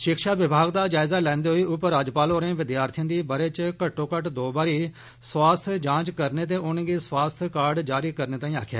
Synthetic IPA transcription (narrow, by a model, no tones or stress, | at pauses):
ʃɪkʃaːʋɪbʱaːɡd̪aːd͡ʒaːɪzaːlɛ̃ːnd̪eːɦoiːʔʊpəɾːaːd͡ʒpaːloːɾẽːʋɪd̪jaːɾt̪ʰijãːd̪iːbəɾeːt͡ʃkəʈːõːkəʈd̪oːbaːɾiː | swaːst̪ʰd͡ʒãːt͡ʃkəɾneːt̪̬eːʔʊnɡiːswaːst̪ʰkaːɾɖd͡ʒaːɾiːkəɾneːt̪aːĩːa̰ːkʰja̰ː